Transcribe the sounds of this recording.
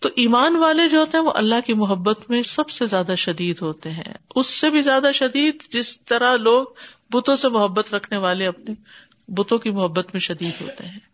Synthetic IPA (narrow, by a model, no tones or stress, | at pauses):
t̪oʔiːmaːnʋaːled͡ʒoːɦoːt̪eɦɛ̃ʋoʔɐ̰lːaɦkimʊɦəbːət̪mẽsɐbsezjaːd̪aʃɐd̪iːd̪ɦoːt̪eɦɛ̰̃ʊsːebʱizjaːd̪aʃɐd̪iːd̪d͡ʒɪst̪ɐɾaloːɡ̚ | bʊt̪õsemʊɦəbːət̪ɾɐkʰneʋaːleɐpne | bʊt̪õkimʊɦəbːət̪mẽʃɐd̪iːd̪ɦo̰ːt̪eɦɛ̃ː